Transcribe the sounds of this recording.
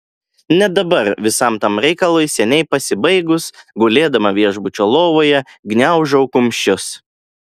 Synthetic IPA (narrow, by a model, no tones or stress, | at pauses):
nʲɛd̪ɐbɐɾʋʲɪsɐmt̪ɐmɾʲɛɪkɐlˠʊjsʲɛnʲɛɪpɐsʲɪbɐɪɡʊsɡʊlʲeːd̪ɐmɐʋʲiɛʒbʊt͡ʃʲoːlˠoːʋoːjɛɡnʲɛˑʊʒɐʊkʊmʲʃʲʊs